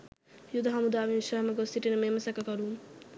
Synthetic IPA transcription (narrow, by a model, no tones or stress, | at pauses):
jud̪ɐɦamud̪aːʋinʃəɦmɐɡosiʈinəmeməsɐkɐkɔɾuːn